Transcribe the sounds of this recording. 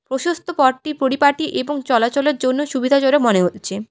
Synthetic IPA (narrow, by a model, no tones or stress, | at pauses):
pɾoʃost̪ʰopɔɖʈipɾoɾipaʈiʔeboŋt͡ɕɔlat͡ɕoleɾd͡ʑonːoʃubid̪ʱat͡ɕoɾemoneɦot̪ːɕʰe